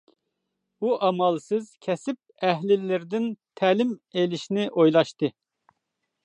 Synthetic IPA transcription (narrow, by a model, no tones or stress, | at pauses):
uʔɑmɑlˠsɨz̥kʲʰɛsɪp̚ɛɦlɪlːɪɾd̪ɪnt̪ʰɛlɪmelɪʃnɪʔojlˠɑʃt̪ɨ